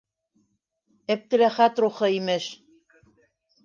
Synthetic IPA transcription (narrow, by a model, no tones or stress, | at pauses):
ɘ̆p̚t̪ɘ̆læχæt̪ruχɤ̆imɘʃ